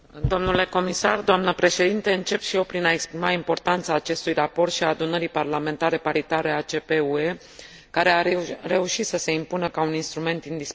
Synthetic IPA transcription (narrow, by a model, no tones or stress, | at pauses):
d̪o̞mnule̞ko̞misard̪oamnəpɾe̞ʃe̞d̪int̪e̞ɨnt͡ʃe̞pʃijewpɾinae̞kspɾimaimpo̞rt̪ant̪saːt͡ʃe̞st̪ujrapo̞rt̪ʃiaːd̪unəɾiparlame̞nt̪aɾe̞paɾit̪aɾe̞at͡ʃe̞pe̞ue̞ | kaɾe̞are̞uʃit̪səse̞impunəkauninst̪ɾume̞nt̪ind̪is